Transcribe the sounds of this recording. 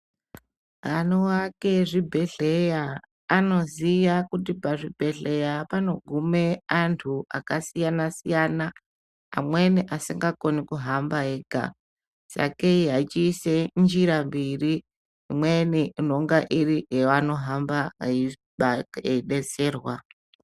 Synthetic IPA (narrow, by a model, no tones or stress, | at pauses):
anuwake̞ʐibʱe̞ɮe̞jaː | no̞ziʋakutipaʐibʱe̞ɮe̞japano̞ɡʱumeantʰuʔakasijanasijana̰ː | mweniʔasiŋɡako̞nikuɦambaeːɡʱa̰ | sa̰keiɦait͡ʃiːsend͡ʒiɾambiriː | mweniin̤oŋɡaʔiriɦeano̞ɦambai | ɓaeiɗe̞se̞ːrwa